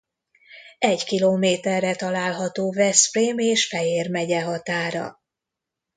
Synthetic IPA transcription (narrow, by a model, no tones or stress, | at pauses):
ɛɟkiloːmeːt̪ɛrːɛt̪ɒlaːlɦɒt̪oːvɛsfreːmeːʃfɛjeːrmɛɟɛɦɒt̪aːɾɒ̰